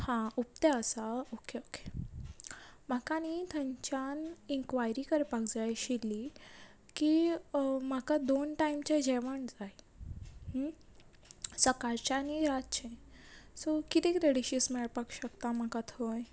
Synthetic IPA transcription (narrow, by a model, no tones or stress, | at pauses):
hãup̚t̪eəsaokʰeokʰe̥ | m̤akanit̪ʰəɲt͡ɕaniŋkʋajɾikəɾpakd͡zajɕilːi | ki | m̤akad̪onʈaimt͡ɕad͡ʑɛʋəɳd͡zaj | səkaɾt͡ɕaniɾat̪̚t͡ɕʰẽsɔkit̪ẽkɾeɽiɕismɛɭpakɕəkt̪am̤akat̪ʰoj